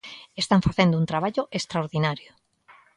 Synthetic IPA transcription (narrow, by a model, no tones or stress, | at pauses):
est̪aɱfaθend̪ount̪ɾaβ̞aʎʊʔest̪ɾaoɾðinaɾjo